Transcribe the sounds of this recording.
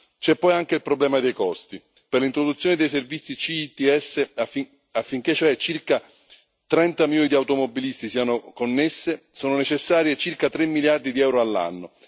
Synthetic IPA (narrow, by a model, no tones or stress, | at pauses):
t͡ʃɛpːɔjaŋk̟eilpɾoblɛːmad̪ejkɔst̪i | perlint̪ɾod̪ut̪sjoːned̪ejs̬ervit̪sːit͡ʃiːt̪iɛsːe | afːiŋk̟et͡ʃːoɛt͡ʃirka | t̪ɾɛnt̪amiljɔːnid̪iawt̪omobːilist̪isiːanokonːesːe | soːnonet͡ʃesːaːɾjet͡ʃirkat̪ɾemːiljard̪id̪iɛwɾoalːa̰nːo